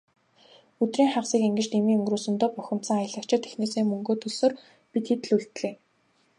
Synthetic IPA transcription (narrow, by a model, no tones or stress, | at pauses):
ɵt̪riːŋχaʁsiːkeŋɡɘ̆t͡ɕt̪emiːɵŋɡruːsɵ̆nt̪ɔːpœxʲɪ̆m̥t̪sə̆ŋajə̆ɮə̆kt͡ɕʰɪ̆t̪ʰːexneːseːmɵŋɡoːt̪ʰɵɮsoːr | pit̪xet̪ɘ̆ɮuɮt̪̆ɮeː